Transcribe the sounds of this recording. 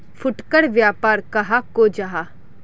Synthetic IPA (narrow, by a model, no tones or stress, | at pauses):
fʰʊʈkəɽʋjaːpaːɾkɐɦakoːd͡ʒaɦa